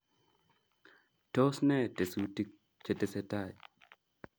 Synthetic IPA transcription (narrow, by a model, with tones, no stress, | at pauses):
tɔ˦snɛ˦˨te˨su˦ti˦k̚ | t͡ʃe˨te˨sɛ˦ta˦˨j